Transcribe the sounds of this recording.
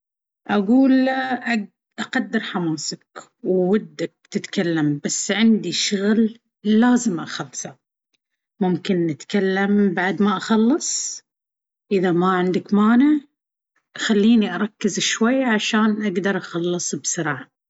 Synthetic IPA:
ʔaɡuːlʔa | ʔaqɑd̪ːɪɾħamaːsak | wwad̪ːak̚t̪ɪt̪kalːambasːʕɪnd̪iʃʊɣlː | aːzɪmʔaxɑlːsa | mʊmkɪnːɪt̪kalːambaʕd̪maʔɑxɑlːɨsˤ | ʔɪðamaʕɪnd̪ɪkmaːnɪʕ | xalːiːniʔɑɾˤɑkːɪzɪʃwajːʕaʃaːnʔaɡd̪ɑɾˤʔɑxɑlːɨsˤbsɨɾˤɑːʕa

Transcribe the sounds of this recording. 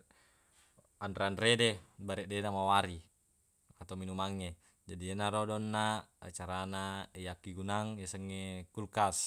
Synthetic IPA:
anɾeanredebaɾɛʔdenamawaɾi | at̪aminumaŋːe | d͡ʒadiɛnaɾɔdɔnːaa̰t͡ʃaɾanaejakːiɡunaŋjesəŋːekulkas

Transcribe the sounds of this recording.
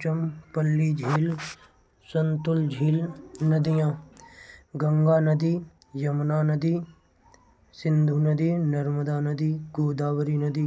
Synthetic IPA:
t͡ʃəmpɐlːiːd͡ʒʱiːl | sɐnt̪ʊld͡ʒʱiːlnɐd̪ijãː | ɡɐ̃ŋɡaːnɐd̪iː | jɐmnaːnɐd̪iː | sɪnd̪ʱuːnəd̪iːnɐɾməd̪aːnɐd̪iːɡoːd̪aːʋəɾiːnɐd̪iː

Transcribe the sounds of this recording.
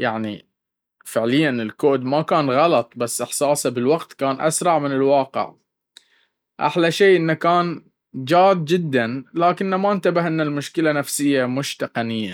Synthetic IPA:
jaʕnḭ | fɪʕlɪjːanɪlkoːd̪makaːnɣɑlɑt̪ˤbasːʔɪħsaːsabɪlwaqt̪kaːnʔa̰sɾˤɑʕmɪnɪlwɑːqɪ̰ʕ | ʔa̰ħlaʃeːʔɪnːakaːn | d͡ʒaːd̪̚d͡ʒɪd̪ːanlaːkɪnːamant̪abɪhʔɪnːalmʊʃkɪlanafsɪjːamʊʃt̪ɑqɑnɪjːa̰

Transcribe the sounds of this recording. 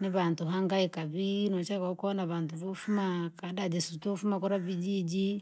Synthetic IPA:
niβantuɦaŋɡaikaβinɔt͡ʃakakɔnaβantuβofumakadad͡ʒisutofumakuɾaβid͡ʒid͡ʒi

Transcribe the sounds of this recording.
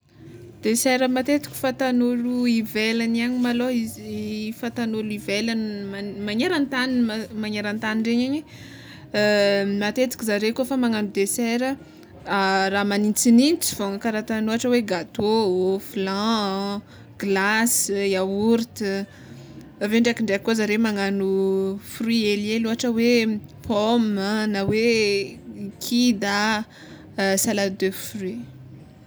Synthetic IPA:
d̪̥esɛɾəmat̪et̪i̥kʲi̥fat̪anoluivelaniaɲimaloizfat̪anoluivelanmamaɲeɾant̪aninmmaɲeɾant̪aniɳɖ͡ʐeɲeɲi | mat̪et̪i̥kizaɾekofamaŋanɖ͡ʐud̪esɛɾə | araːmanint͡sinint͡si̥v̥oŋəkaɾat̪anoaʈ͡ʂəweɡat̪oflã | ɡ̥lasiauɾit̪i | veɳɖ͡ʐakiɳɖ͡ʐekːozaɾemaŋanufrieleluɦaʈ͡ʂəwepʰɔmənawe | kʰid̪a | salad̪øfri

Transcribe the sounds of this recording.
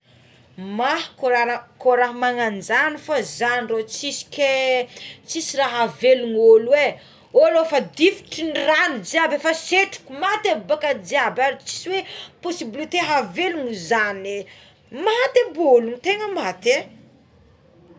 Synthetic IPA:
mahkoɾaakoɾaɦmaŋand͡ʒanifazanrot͡sisi̥ke | t͡sisiraɦaveluŋolwe | oalofad̪ifi̥ʈ͡ʂiniranid͡ʒiabefaseʈ͡ʂu̥kumat̪abakad͡ʒiabaɾit͡si̥siweposibilit̪eɦaveluŋizane | mat̪eboluŋit̪eŋəmat̪e

